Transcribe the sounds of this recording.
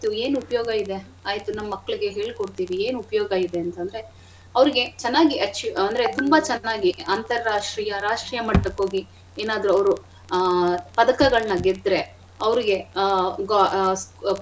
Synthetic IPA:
t̪ueːnupɐjoːɡɐid̪e̞ | aːjt̪unɐmːɐːɐkːɐɭiɡe̞ɦe̞ːɭikoɽt̪iːʋieːnupɐjoːɡɐid̪e̞ɐnt̪ɐnd̪ɾe̞ | ɐʋɐɾiɡe̞t͡ʃɛnːaːɡiʔɐt͡ʃːiɐnd̪ɾe̞t̪umbɐt͡ʃɛnːaːɡiɐnt̪ɐɾːaːʂʈɾiːjɐɾaːʂʈɾijɐmɐʈːɐko̞ːɡi | eːnaːd̪ɐɾuɐʋɾu | pɐd̪ɐkɐɡɐɭɐnɐɡed̪ɾe | ɐʋɾiɡe̞ɡs

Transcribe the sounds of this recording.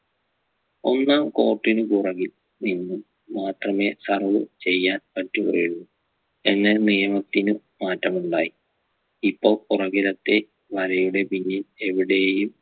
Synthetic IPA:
o̞nːamko̞ːrʈːinɨkurɐɣil | ninːumː | aːt̪rɐme̞ːsɐrʋɨ̰t͡ɕe̞jːaːnpɐtːukṵrɽunːu | enːe̞nijɐmɐt̪ːinɨ | maːtːɐmuɳɖaːji | ipːo̞ːɭurɐɣiɾɐt̪ːe̞ | ʋɐɾɐjuɽe̞biɲːile̞ʋiɽe̞jum

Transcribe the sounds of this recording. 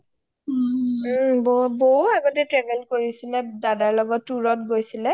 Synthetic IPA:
bɔbɔuaɡɔtɛtɹɛvɛlkoɹisilɛdadaɹlɔɡɔtːuɹɔtɡojsilɛ

